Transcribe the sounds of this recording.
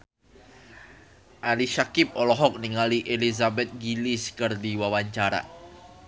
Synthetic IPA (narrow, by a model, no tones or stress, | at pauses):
ʔaliʃakɪp̚ɔlɔɦɔk̚niŋaliʔelizabɛt̪̚ɡiliskərdiwawaɲt͡ʃaɾa̰